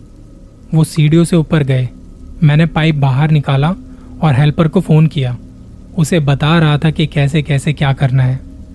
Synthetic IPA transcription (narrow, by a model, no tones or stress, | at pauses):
ʋoːsiːɖijoseʊpəɾɡɐeː | mɛ̃ːnepaːɪp̚baːɦəɾnɪkaːlaɔːɾɦɛlpəɾkofoːnkijaː | ʊsebɐt̪aːɾɐɦat̪ʰakikɛːs̬ekɛːsekjaːkɐɾnaɦɛː